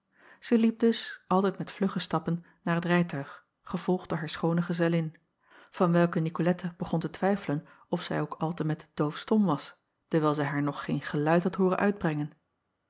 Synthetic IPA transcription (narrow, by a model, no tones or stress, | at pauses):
z̥ɛjlip̚dɵsʔɑlˠtɛjtmɛtflɵχəstɑpənːaːɹɦətrɛjtœɥχ | χəv̥ɔlˠχd̥ʊːɹɦaːɹsχownəχəzɛlɪn | v̥ɑnʋɛlˠkənikolɛtəb̥əχɔntətʋɛjfələn | ɔfsɛjowkɑlˠtəmɛtd̥owfstɔmʋɑs | təɹʋɛːlˠzɛjɦaːɹnɔχːejnχəlœɥtɦɑtɦʊːrə̰nʔœ̰ɥd̚brɛŋən